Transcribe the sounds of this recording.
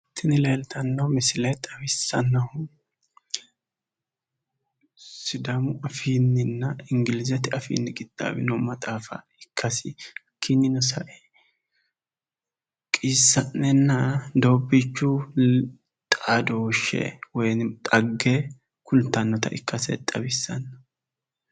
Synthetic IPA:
t̪ʰːɪnɪlɛjlt̪ʰɐnːɐwmɛsɪlɐjt̪ʼɐwɪsːɐnːɐhʊ | sɪd̪ɐmʊʔɐfiːnːɪnːɐɪŋɡɪlɪzɛt̪ɪɐfḭːnːɪɡʼɪt̪ʼːa̰ːwɪ̰nɔmɐt̪ʼaːfɐ̰ | ɪkʰːɐsɪ | kʰːinːɪnɔsɐʔɛ | kʼiːsːɐnːɛnːɐd̪oːbit͡ʃːu | t̪ʼad̪oːʃɛ̰wɔjnt̪ʼɐɡːɛ | kʊlt̪ːɐnːɔt̪ɐʔɪ̰kːɐsɛ̰t̪ʼɐbɪsːɐnːɐhʊ

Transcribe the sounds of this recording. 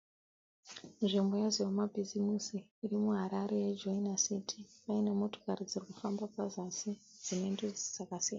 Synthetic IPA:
nʐimbo̞jazijomabʱizimisiːrimuɦaɾaɾe̞jed͡ʒoinasitʰipainamo̞to̥karid͡zirikufambapazasi | d͡zino̞inded͡zsakasia̰a

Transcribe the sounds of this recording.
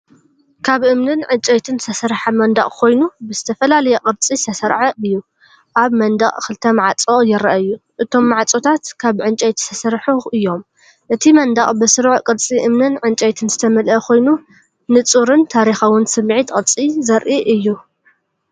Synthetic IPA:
kʰaβʔɨmnɨnʕɨnt͡ʃʼɐjt̪ʰɨnz̥t̪ʰɐsɐɾħamɐnd̪a̰ʔʼkʰo̞jnubɨzɨt̪ʰɐfɐlalɐjɐqʼɨɾt͡sʼisʰɐsɐɾʕaɨjːu | ʔaβmɐnd̪aχʼkɨlt̪ʰɐmaʕat͡sʼojɪɾɐʔaɨjːuʔɨt̪ʰo̞mːaʕat͡sʼot̪ʰat̪kʰaβʕɨnt͡ʃʼɐjt̪ʰi̥sʰɐsɐɾħuʔɨjːo̞m | ʔɨt̪ʰimɐnd̪aχʼbɨsɨɾʕqʼɨɾt͡sʼiʔɨmnɨnʕɨnt͡ʃʼɐjt̪ʰɨnzɨt̪ʰɐmɐlɐkʰo̞jnu | nɨt͡sʼuɾɨnt̪ʰaɾixawɨnsɨmːʕit̪qʼɨɾt͡sʼizɐɾʔiʔɨjːu

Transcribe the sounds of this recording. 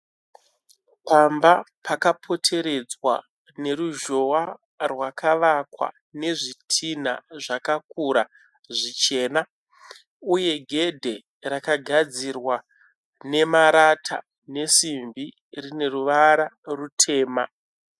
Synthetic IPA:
pambapʰakapʰo̞tʰe̞ɾe̞d͡zwa̰ | ne̞ɾuʒo̞wa | rwakʰaʋakwa̰ | ne̞ʐitʰina̰ʐakakuɾa | ʐit͡ʃe̞ːna | uje̞ɡʱe̞dʱe̞ | rakaɡʱad͡zirwa | ne̞maɾatʰa̰ | ne̞simbi | rine̞ruʋaɾarutʰe̞ːma

